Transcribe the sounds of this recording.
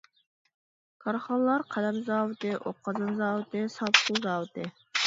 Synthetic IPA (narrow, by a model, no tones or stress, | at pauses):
kʰɑɾχɑnlˠɑɾqʰælɛmzɑːwɪt̪ɪʔoqʰːɑzɨmzɑːwɪt̪ɪsɑpuzɑːwɨt̪ɪ